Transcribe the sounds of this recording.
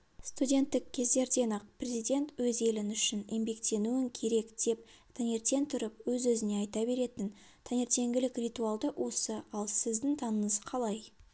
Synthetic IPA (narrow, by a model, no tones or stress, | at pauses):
st̪udʲe̞nt̪ːɪkʲʰːe̞zd̪e̞ɾd̪e̞nɑq̚pʰrʲe̞zijd̪ʲe̞nt̪wɵze̞lɪnʏʃɪnjembe̞kt̪e̞nuɪŋkʲʰe̞ɾe̞kd̪̥e̞p̚t̪ʰæne̞ɾt̪e̞nt̪ʰʊɾəpwɵzwɵzɪne̞ɑjt̪ɑbe̞ɾe̞t̪ɪn | t̪ʰanʲe̞ɾt̪e̞ŋɡʲɪlɪkrʲit̪ualˠd̪əwʔo̞səɑlˠsɪzd̪ɪŋt̪ʰɑnəɴəzqʰɑlˠɑj